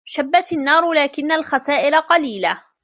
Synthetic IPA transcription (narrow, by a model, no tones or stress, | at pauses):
ʃabːat̪anːɑːɾˤlaːkɪnːalxasaːʔɪlaqɑliːla